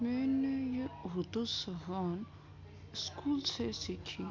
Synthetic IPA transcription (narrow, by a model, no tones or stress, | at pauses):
meːnejeɦʊd̪usɐɦan | skuːlsesikʰi